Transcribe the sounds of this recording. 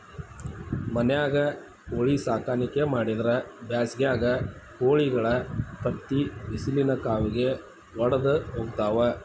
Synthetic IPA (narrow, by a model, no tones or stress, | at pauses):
mɐnɛjaːɡɐ | oːɭisaːkaːnikemaːɽid̪ɐɾɐbjaːsɡejaːɡɐkoːɭiɡɐɭɐpɾɐt̪ːiʋisilinɐkaːʋiɡe̞ | ʋɐɽɐd̪ɐɦoːɡt̪aːʋɐ